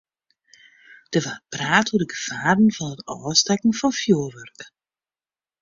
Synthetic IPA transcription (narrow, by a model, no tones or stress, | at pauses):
d̥əvapraːtudəɡəv̥aːrn̩vɑnətɔːstɛkn̩fɔnfjoːʋørk